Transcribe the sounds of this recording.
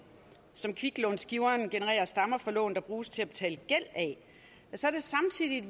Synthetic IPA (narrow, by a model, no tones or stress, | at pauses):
sɒ̽mkʰʋiɡ̥lɔ̽nsɡ̥iʊɐnɡ̥e̝nəʁɛ̰ːɐsd̥ɑ̈mɐfɒ̽lɔ̰̽ːn̩d̥ɑ̈b̥ʁuːst͡sʰe̝æb̥e̥t͡sʰɛ̰ːləɡ̥el̰ɛ | æsɒɐd̥e̝sɑ̈mt͡sʰið̰ˠid̥